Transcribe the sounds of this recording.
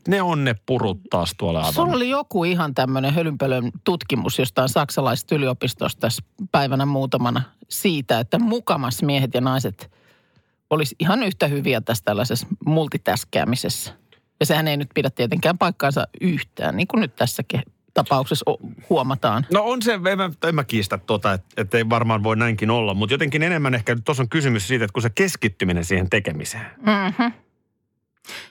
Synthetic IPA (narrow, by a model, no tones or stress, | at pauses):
neonneppurut̪ːɑ̰ːst̪uo̰lːḛɑ̰ʋsunolijokuihɑnt̪æmːøneɦølympølønt̪ut̪kimṵsjost̪ɑinsɑksɑlɑist̪yliopist̪o̰st̪æspæiʋænæmuːt̪ɑmɑnɑsiːt̪æet̪ːæmukɑmɑsmiehet̪jɑnɑiset̪ | olisihɑnyht̪æhyʋiæt̪æst̪ælːæsesmult̪it̪æskæ̰ːmisesːæ | jɑsehæneinyt̪̚pidæt̪t̪iet̪eŋkæːmpɑikːɑːˑnsɑ̰yht̪æ̰ːnniːŋkunnyt̪t̪æsːæke | t̪ɑpɑuksesohuomɑt̪ɑːnnoonseemːæemːækiːst̪æt̪t̪ot̪ɑet̪et̪ːeiʋɑrmɑːnʋoinæiŋkinolːɑmmut̪jot̪eŋkinenemːænehkænyt̪t̪osoŋkysymyssiːt̪et̪kusekeskit̪ːyminensiːhent̪ekemise̥ːm̩h̩